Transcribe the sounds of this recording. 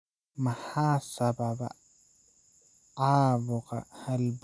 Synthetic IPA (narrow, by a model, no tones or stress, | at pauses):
mahaːsababa̰ | aːbɔqa̰halb